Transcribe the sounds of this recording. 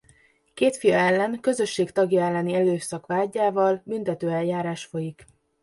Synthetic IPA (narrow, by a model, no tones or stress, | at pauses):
keːt̪fijɒɛlːɛŋkø̞zø̞ʃːeːkt̪ɒɡjɒɛlːɛniɛløːsɒkʋaːɟːaːvɒlbynt̪ɛt̪øːɛljaːɾaːʃfo̞jik